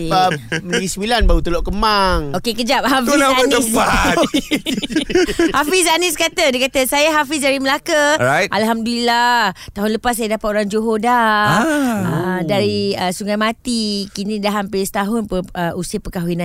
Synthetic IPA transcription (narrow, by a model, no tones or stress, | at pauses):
əməiisəmilanbaut̪əloʔkəmaŋokekəd͡ʒap̚hafiaanəpat̪ | hafis̬aniskat̪ədəkat̪əsajaɦafis̬daɾiməlakaajtʔalɦamdulilat̪aɦʊnləpas̬ːajadapat̪oɾaŋd͡ʒoɦoda | ədaɾiəsuŋajmat̪ikinidaɦampɪst̪aɦʊnpəəʔusipəkaɦwinãn